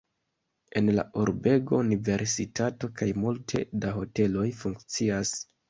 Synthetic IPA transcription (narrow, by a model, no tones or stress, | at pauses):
e̞nla̰ʔuɾbe̞ɡo̞unive̞ɾsitʰato̞kajmultʰe̞daɦo̞te̞lo̞jfuŋkt͡sias